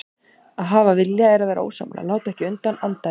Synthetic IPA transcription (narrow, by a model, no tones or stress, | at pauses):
aðɦaːvavɪljaɛɾaðvɛɾʔo̰ːwsa̰mlʔa̰laːwt̪aɛhcɪʏnt̪anant̪a